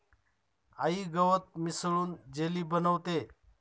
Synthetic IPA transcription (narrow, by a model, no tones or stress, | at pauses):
aiːɡəʋət̪̚mɪsɭuːnd͡ʒeliːbənəʋt̪eː